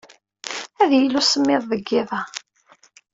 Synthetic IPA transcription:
æðjəlusəmːɪðˤðəɡːɪðˤɑ

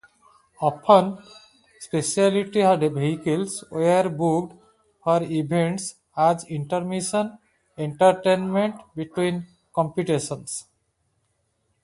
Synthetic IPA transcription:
ɔpʰə̃n | speʃialiʈiɦaɖebʱeɦikelsweaɾbukɖ | hɔɾibʱẽɳʈs | ad͡ʒĩɳʈəɾmiʃə̃n | ẽɳʈaɾʈenmẽɳʈbiʈwĩn | kɔ̃mpiʈeʃə̃ns

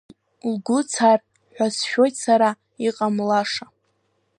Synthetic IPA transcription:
lɡʷʊt͡sʰar | ħᶣʷasʃᶣo̞jtsaɾa | iqʼamlaʂa

